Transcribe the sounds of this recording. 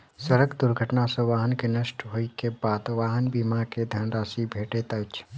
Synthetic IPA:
səɾəɡd̪ʊɾɡʱəʈnasə̃ʋaːɦənkenəʃʈɦoːikebaːd̪ʋaːɦənbiːmaked̪ʱənɾaːsibʱeːʈet̪ɐt͡ʃʰ

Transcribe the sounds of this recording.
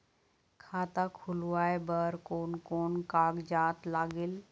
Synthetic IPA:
kʰaːt̪akʰʊluaːebəɾkoːnkoːnkaːɡd͡ʒaːt̪laːɡɪl

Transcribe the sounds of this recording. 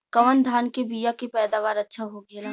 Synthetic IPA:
kɐʋənd̪ʱaːnkebijakepɛːd̪aːʋaːɾɐtːʃʰaɦoɡela

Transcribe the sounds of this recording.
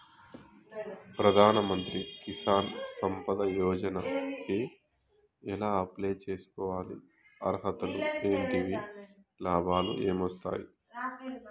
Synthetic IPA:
pɾɐd̪ʱaːnɐmɐnt̪ɾikisaːnsɐmpɐd̪ɐjɔːd͡ʒɐnɐpi | ɛlaːɐpleːt͡ʃeːsu̥kɔːʋaːlḭ | ɐ̰ɾɦɐt̪ɐlueːɳʈiʋi | laːbaːlṵʔe̞ːmʋɐst̪a̰ːji

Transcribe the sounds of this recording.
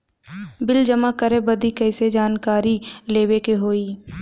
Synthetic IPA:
bɪld͡ʒəmakəɾebɐd̪ikəːsed͡ʒaːnkaːɾileːwekeɦoːiː

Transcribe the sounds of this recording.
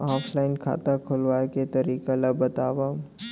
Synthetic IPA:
ɔːpʰlaːɪnkʰa̰ːt̪akʰʊlʋaːket̪ɐɾiːkaləbɐt̪aːʋaː

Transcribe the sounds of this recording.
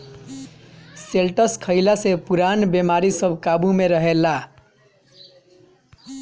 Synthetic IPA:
selʈʌskʰʌjlasepuɾanbemaɾisʌbʱkabumeɾʌɦela

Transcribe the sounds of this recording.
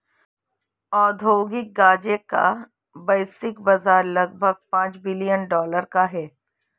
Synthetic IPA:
ɔːd̪ʱoːɡɪk̚ɡaːd͡ʒeka̰ | bɐːsɪkbɐzaːɾlɐɡ̚bʱəɡ̚pãːt͡ʃbɪlijənɖɔːləɾkaɦɛː

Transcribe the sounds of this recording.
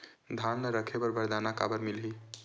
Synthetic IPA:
d̪ʱanəɾəkʰebəɾbəɾd̪anaka̰bəɾmilɦi

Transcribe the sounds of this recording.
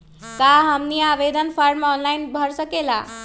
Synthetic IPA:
kaɦəmniːaʋed̪ʱənfʰəɾmɔnlainbʱəɾsəkela̰

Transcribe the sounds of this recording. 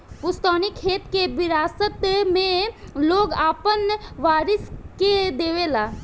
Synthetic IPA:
pʊst̪ɔːnikʰeːt̪kebɪɾaːsət̪mẽloːɡaːpənʋaːɾɪsked̪eːʋelaː

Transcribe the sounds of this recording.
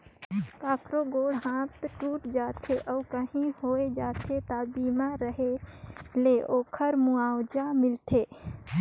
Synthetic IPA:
kaːkɾoɡoːɽɦãːt̪ʈuːʈd͡ʒat̪ʰeʔɔːkəɦĩhoed͡ʒat̪ʰet̪abiːmaɾəɦeleʔoːkʰəɾmuaːwd͡ʒamɪlt̪ʰeː

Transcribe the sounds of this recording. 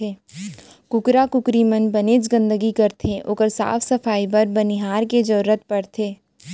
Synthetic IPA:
eː | kʊkɾakʊkɾimənbɐneːt͡ʃɡə̃nd̪əɡikɐɾt̪ʰeʔoːkəɾsa̰ːfʰsɐfaːipɐɾbɐniɦaːɾked͡ʒɐɾɾət̪̚pɐɽt̪ʰeː

